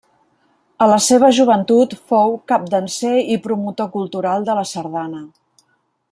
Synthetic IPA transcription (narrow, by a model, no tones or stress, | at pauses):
ələseβ̞əʒuβ̞ənt̪ut̪fowkap̚d̪ənseipɾumut̪okulˠt̪uɾalˠd̪ələsəɾðanə